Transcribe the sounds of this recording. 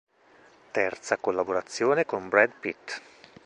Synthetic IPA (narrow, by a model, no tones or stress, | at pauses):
t̪ɛrt̪sakolːaboɾat̪sːjoːnekombɾɛd̪pit̪